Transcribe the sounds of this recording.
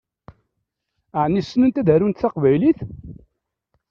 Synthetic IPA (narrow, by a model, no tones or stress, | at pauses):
aʕnːisːnənt̪æðəɾunt̪θaqvæjliθ